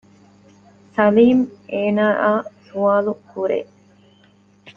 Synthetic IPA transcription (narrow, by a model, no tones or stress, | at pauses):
sɐliːmeːnaːʔaːsuaːlukuɾḛː